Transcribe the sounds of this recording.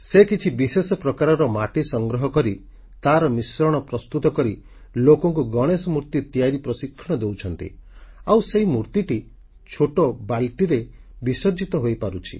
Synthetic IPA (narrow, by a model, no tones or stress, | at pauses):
sekit͡ʃʰibisesɔpɾɔkaɾɔɾɔmaʈisɔŋɡɾɔɦɔkɔɾi | t̪aɾɔmisɾɔɽ̃ɔpɾɔst̪ut̪ɔkɔɾi | lokɔŋkuɡɔɽ̃esɔmuɾt̪it̪ijaɾipɾɔsikʰːɔɽ̃ɔd̪ewt͡ʃʰɔnt̪ḭawseɦimuɾt̪iʈi | t͡ʃʰoʈɔbalʈiɾe | bisɔɾd͡ʒit̪ɔɦojpaɾut͡ʃʰi̥̰